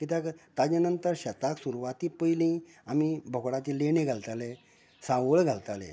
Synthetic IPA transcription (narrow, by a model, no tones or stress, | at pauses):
kit̪akt̪ad͡ʑanənt̪əɾɕət̪aksuɾuʋat̪ipəilĩ | amibʱɔkɽat͡ɕ̪ilenẽɡʱalt̪ale | sãʋəɭɡʱalt̪alḛ̃